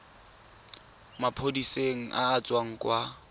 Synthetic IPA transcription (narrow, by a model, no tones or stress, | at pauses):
mapʰodiseŋ̩ʔa̰ːt͡sʼwaŋ̩kʼwa